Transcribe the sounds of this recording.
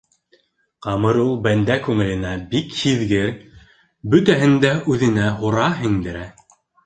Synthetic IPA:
qɑmɤɾulˠbænd̪ækʉŋɘ̆lɘ̆næbikhiðɡɘɾ | bɵ̆t̪æɦɘ̆nd̪æʉðɘ̆næɦuɾɑɦiŋd̪ɘ̆ɾæ

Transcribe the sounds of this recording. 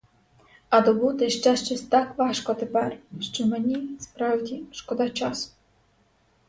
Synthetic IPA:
ɐd̪ɔbut̪ɪʃt͡ʃɛʃt͡ʃɔsʲt̪ɑkʋɑʃkɔt̪epɛrʃt͡ʃɔmenʲispɾɑwdʲiʃkɔd̪ɑt͡ʃɑsʊ̥

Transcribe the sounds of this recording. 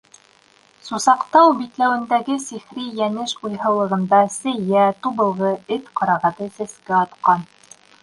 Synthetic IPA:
susɑqt̪ɑwbit̪læwɘ̆nd̪æɡɘsiχɾijænɘʃujɦɤ̆wlˠɤ̆ʁɤ̆nd̪ɑsɘ̆jæt̪uβɤ̆lˠʁɤɘt̪qɑɾɑʁæt̪ɤsɘ̆skɘɑt̪qɑn

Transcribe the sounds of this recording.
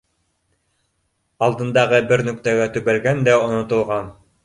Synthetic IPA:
ɑlˠd̪ɤ̆nd̪ɑʁɤbɘɾnɵ̆kt̪æɡæt̪ʉβælɡænd̪æŏnŏt̪ŏlˠʁɑn

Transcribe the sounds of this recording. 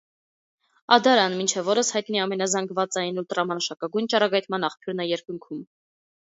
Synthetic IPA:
ɑd̪ɑɾɑnmint͡ʃʰɛvɔɾəshɑjt̪niɑmɛn̪ɑzɑŋɡvɑt͡sɑjinut̪ɾɑmɑʃɑkɑɡujnt͡ʃɑɾɑɡɑjt̪mɑnɑχpʰjuɾnəjɛɾkuŋkʰum

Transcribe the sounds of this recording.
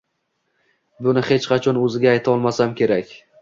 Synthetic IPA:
bʊnɪhe̞t͡ʃqʰɑt͡ʃʰɒnɵzɪɡʲaːjt̪ʰaɒlˠmasamkʲʰe̞ɾakʲ

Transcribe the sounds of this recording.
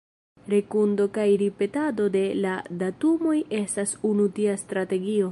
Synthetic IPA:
ɾe̞kundo̞kajɾipe̞tado̞de̞ladatumo̞je̞stasunutiastɾate̞ɡio̞

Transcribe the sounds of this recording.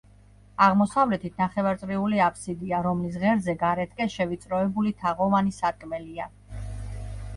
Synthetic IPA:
aʁmɔsavlɛt̪ʰit̪ʰnaχɛvaɾt̪sʼɾiuliapʰsid̪iaɾɔmlis̬ʁɛɾzɛɡaɾɛt̪̚ʰʼkʼɛʃɛvit̪sʼɾɔɛbulit̪ʰaʁɔvanisat̪̚kʼmɛlia

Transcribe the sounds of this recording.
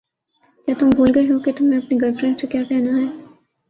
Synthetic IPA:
jaːt̪ʊmbʱuːlɡɐeɦoket̪ʊmẽɐpneɡɐɾfɾɪ̃ɳʈsekjaːkɛɦnaɦɛː

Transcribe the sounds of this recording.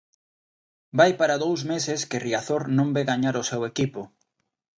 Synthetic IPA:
bajpaɾaðowzmesɪskɪriaθoɾnõmbeɣaɲaɾʊsewekipʊ

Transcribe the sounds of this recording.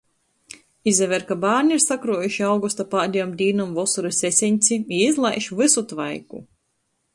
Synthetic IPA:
izʲɛvɛɾkabaːɾɲʲiɾsakɾuɔjuʃiawɡust̪apaːd̪ʲijɔmd̪ʲiːnɔmvɔsuɾisʲesʲiɲʲt̪sʲiiizlˠajʃivɨsut̪vajkṵ

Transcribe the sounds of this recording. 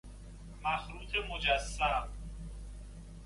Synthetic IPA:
mæxɾuːt̪ʰemod͡ʒæsːæb

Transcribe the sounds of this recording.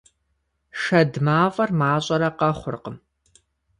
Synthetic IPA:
ʂɐdmaːvʼɐrmaːɕʼɐɾɐqɐχʷʊ̰rqəm

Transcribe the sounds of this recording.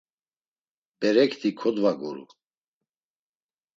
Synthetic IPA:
b̥ɛɾɛkʰt̪ʰikʰɔd̪vaɡɔɾṵ

